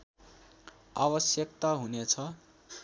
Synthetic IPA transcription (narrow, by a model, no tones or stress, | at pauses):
a̰bʌsjʌkt̪aɦunet͡sʰʌ